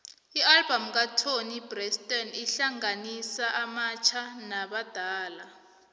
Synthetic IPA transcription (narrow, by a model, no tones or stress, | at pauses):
ialbamk̬atʰonib̥rɛstʼɔniɬaŋanisaʔamat͡ʃʰanaɓad̥ʱaːla